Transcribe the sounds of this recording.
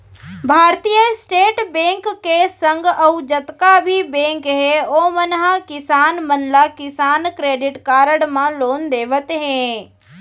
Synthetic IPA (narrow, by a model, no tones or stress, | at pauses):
bʱaːɾt̪ijəsʈeːʈbẽːŋkːesə̃ŋɡəud͡ʒət̪kabʱibẽːŋkɦeoːmənɦãkɪsaːnmənlakɪsaːnkɾeːɖɪʈkaːɾəɽmãloːnd̪eːʋət̪ɦẽ